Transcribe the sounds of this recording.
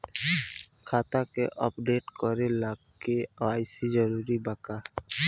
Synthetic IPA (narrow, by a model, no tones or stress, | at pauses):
kʰaːt̪akeʔɔpɖeːʈkɔɾelaɡ | eaːjsid͡ʒəɾuɾibaka